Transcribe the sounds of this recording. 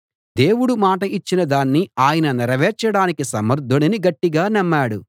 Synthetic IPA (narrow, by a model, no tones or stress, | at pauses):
d̪e̞ːwuɽumaːʈɐʔit͡ʃːinɐd̪aːnːiaːjɐnɐnɛɾɐʋɛːɾt͡ʃːɐɽaːnikisɐmɐɾd̪ʱːoɳɐniɡɐʈːiɡaːnɐmːaːɽu